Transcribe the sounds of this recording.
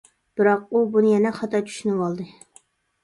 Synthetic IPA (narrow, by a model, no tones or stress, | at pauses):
b̥ɨɾɑq̚ubunɨjɛnɛχɑt̪ʰɑt͡ʃʰy̥ʃynɨwɑlˠd̪ɨ